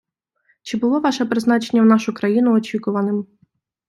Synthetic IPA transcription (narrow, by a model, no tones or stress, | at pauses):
t͡ʃɪbʊlˠɔʋɑʃɛpɾɪzn̪ɑt͡ʃenʲːɐwn̪ɑʃʊkɾɐjin̪ʊɔt͡ʃʲikʊʋɐnɪm